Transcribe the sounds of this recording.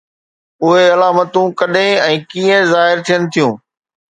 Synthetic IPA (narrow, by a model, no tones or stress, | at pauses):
ʊɦeɐlaːmət̪ũkɐɗẽɛ̃ːkiːə̃zaːɦɪɾt̪ʰijənɪ̆t̪ʰijũː